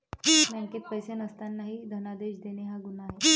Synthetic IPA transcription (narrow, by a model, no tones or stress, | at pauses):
maŋket̪̚pəjsenəst̪anːaɦid̪ʱənad̪eɕd̪eneɦaɡunaːɦe